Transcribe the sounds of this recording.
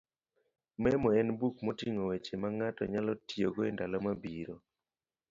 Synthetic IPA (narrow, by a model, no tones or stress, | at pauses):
mɛmɔɛnbukmotiŋowet͡ʃemaŋatɔ̰ɲalɔtioɡoendalɔmabiɾo